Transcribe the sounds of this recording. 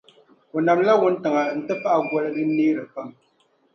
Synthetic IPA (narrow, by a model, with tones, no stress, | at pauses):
o˨na˨mla˦wu˦n̩˦tɨ˨ŋa˨n̩˨tɨ˦pa˦ʔa˨ɡwɔ˦lɨ˦dɨ˦niː˦ɾɨ˨fa˦˨m